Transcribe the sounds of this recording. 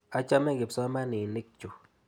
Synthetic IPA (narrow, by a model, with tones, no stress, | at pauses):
a˦t͡ʃa˦mɛ˦˨ɡɪ˨psɔ˦ma˦nɪ˨nɪ˦k̚t͡ʃu˨